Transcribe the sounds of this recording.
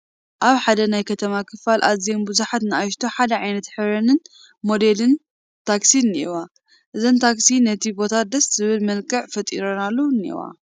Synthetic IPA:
ʔaβħad̪ɐnajkʰɐt̪ʰɐmakʰɨfalʔazijombɨzuħat̪nɨaʃt̪ʰoħad̪ɐʕajnɐt̪ħɨβɾɐnɨn | mo̞d̪elɨn | t̪ʰaksinːiiwa | ʔɨzont̪ʰaksinɐt̪ʰibo̞t̪ʰad̪ɐszɨβɨlmɐlkʼɨʕfɐt̪ʼḭɾonalːɐwnːiḭwa̰

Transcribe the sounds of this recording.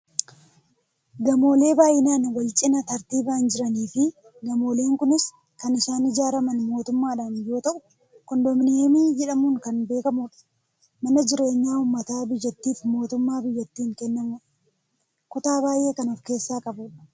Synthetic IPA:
ɡɐmo̞ːle̞ːbaːjʔɪnaːnwɐlt͡ʃʼɪnɐt̪ɐɾt̪iːbaːnd͡ʒɪɾɐniːfɪ | ɡɐmo̞ːle̞ːŋkʊnɪs | kɐnɪʃaːnɪd͡ʒaːɾɐmɐnmo̞ːt̪ʊmːaːᶑaːnjo̞ːt̪ɐʔʊ̥ | kɔnd̪ɔmɪneːmid͡ʒɛᶑɐmuːŋkɐnbe̞ːkɐmuːᶑɐ̥ | mɐnɐd͡ʒɪɾe̞ːɲːaːʊmːɐt̪aːbɪjːɐt̪ːiːfmo̞ːt̪ʊmːaːbɪjːɐt̪ːiːŋkɛnːɐmuːᶑɐ | kʊt̪aːbaːjʔe̞ːkɐnʊfke̞ːsːaːkʼɐbuːᶑɐ̥

